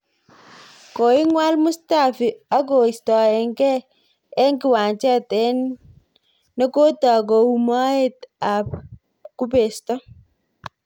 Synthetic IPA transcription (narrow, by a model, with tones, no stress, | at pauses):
ko˨i˦ŋwa˦lmʊ˦sta˦˨fi˨a˦k̬o˨i˨stɔ˨ɛ˨ŋɡɛ˦ | ɛ˦ŋɡi˨wa˨nt͡ʃɛ˦tɛ˦n | nɔ˦ko˦ta˨k̬o˨u˨ma˦e˦ta˨p̚ | ku˦pe˨stɔ˦